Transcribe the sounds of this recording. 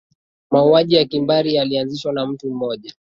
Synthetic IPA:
mauaʄijakimbaɾijalianziʃwanam̩tum̩mɔʄa

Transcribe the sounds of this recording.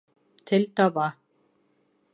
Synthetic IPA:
t̪ʰɪlt̪ava

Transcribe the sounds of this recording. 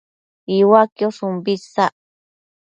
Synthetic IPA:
iwakjosumbisaʔ

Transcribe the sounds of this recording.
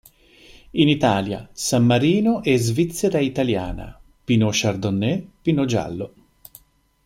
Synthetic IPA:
init̪aːlja̰samːaɾiːnoʔɛzvit̪sːeɾait̪alja̰ːna̰ | pinoʃard̪onːɛpinod͡ʒa̰lːo

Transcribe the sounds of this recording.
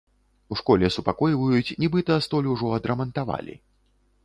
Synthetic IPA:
uʂkɔlʲɛsupakɔjvɐjut͡sʲnʲɛbɨt̪ɐst̪ɔlʲuʐɔɐd̪ɾɐmɐnt̪ava̰lʲḭ

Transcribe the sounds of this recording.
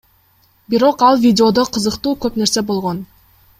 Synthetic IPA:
biɾo̞qɑlˠvʲidʲɪo̞d̪o̞qʰɯzɯqt̪uːkøpne̞ɾse̞bo̞lˠʁo̞n

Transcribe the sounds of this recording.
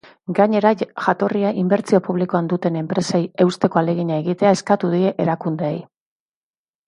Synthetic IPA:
ɡaɲe̞ɾaʝat̪o̞riaʔimbe̞ɾt͡sio̞puβliko̞and̪ut̪e̞ne̞mpɾe̞seje̞wst̪e̞ko̞ale̞ɣiɲaeɣit̪e̞ae̞skat̪uðie̞ʔeɾakund̪eej

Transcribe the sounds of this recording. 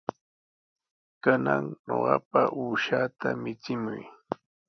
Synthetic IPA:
kanaŋɲoɢɑpaʔuːʃaːt̪amɪt͡sɪmʊj

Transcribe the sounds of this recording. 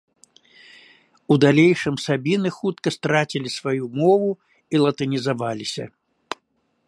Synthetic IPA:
ud̪alʲejʂɨmsabʲinɨxut̪kɐst̪ɾat͡sʲilʲisvajumɔvu | ilˠɐt̪ɐnʲizavalʲisʲɐ̰

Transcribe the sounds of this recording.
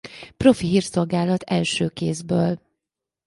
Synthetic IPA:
pro̞fiɦiːrso̞lɡaːlɒt̪ɛlʃøːkeːzbøːl

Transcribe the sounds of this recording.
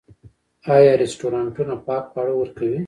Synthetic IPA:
ɑjɑɾesʈoɾɑɳʈunapɑk̚paɽawəɾkawi

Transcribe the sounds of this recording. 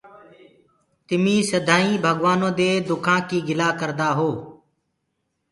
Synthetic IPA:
t̪ɪmĩːsəd̪ʱaːĩːbʱəɠʋaːnõːd̪eːd̪ʊkʰãːkiːɡɪlaːkəɾd̪aːɦoː

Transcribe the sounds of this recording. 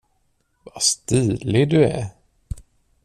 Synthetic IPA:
vast̪iːlɪd̪ɵæ̰

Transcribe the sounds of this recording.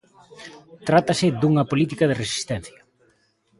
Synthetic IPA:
t̪ɾat̪ɐsɪd̪uŋɐpolit̪ikɐðeresi̥st̪ɛn̟θjɐ

